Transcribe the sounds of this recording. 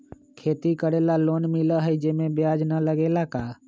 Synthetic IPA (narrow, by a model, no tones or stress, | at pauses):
kʰeːt̪ikəɽeːlaloːnmɪləɦəid͡ʒeːmẽbɪjaːd͡ʒnələɡeːlakaː